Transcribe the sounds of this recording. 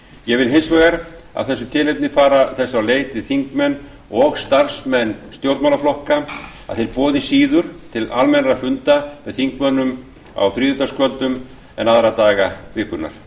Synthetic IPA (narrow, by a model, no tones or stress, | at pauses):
jɛɣvɪlɦejnsvɔɣɛɾa̰ðθɛsːʏt̪ʰɪːlejp̚nɪfaːɾaθɛsːawleːjt̪vɪðθiŋkmɛn | ɔɣst̪ar̥smɛnːst̪jowɾt̪mawlaflɔhka | a̰ðθejɾpɔːðɪsiːðʏɾ̥t̪ʰɪlalmɛnɾafʏnt̪amɛðθiŋkmœnʏm | a̰wθɾiːðʏt̪askvœlt̪ʏm | ɛ̰naðɾat̪aːɣavɪːkʏna̰ɾ̥